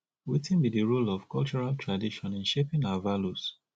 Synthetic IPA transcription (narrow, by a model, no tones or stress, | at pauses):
witĩnbidiɹulɔv̥kɔlt͡ʃɔɹaltʰɹadiʃɔ̃nɪ̃nʃepɪ̃navalus